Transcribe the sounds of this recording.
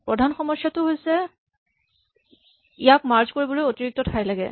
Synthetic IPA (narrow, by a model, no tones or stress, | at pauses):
pɹɔdʱanxɔmɔsjatʊɦojsɛ | ijakmaɹzkoɹibɔlojotiɹik̚tɔtʰajlaɡɛ̰